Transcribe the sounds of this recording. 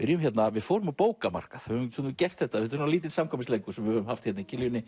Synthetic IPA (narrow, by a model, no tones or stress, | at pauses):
ɪɾjʏmçɛt̪navɪðfoːwɾʏmawpoːwkama̰r̥kaθhœvʏmʰunʏcɛr̥t̪θɛht̪ːaɪhɛt̪ʏɾnaliːt̪ɪsamkʰɔmɪsleːjkʏsɛmvɪhœːʏmhaft̪çɛt̪naicʰɪljʏnːɪ